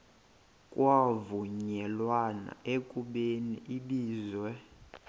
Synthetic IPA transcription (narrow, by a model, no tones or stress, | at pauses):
kʼwavuɲɛlwana̰ʔekʼuɓeniʔiliːzwɛ